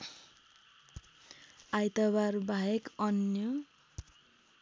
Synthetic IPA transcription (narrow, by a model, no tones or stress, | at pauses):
ajt̪ʌbarbʱajekʌnjʌ